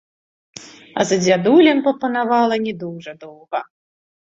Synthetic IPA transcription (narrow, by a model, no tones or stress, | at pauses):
ɐ̰zɐd͡zʲad̪ulʲɛmpɾɐpɐnavalˠɐnʲɛd̪ɔwʐɐd̪ɔwɣɐ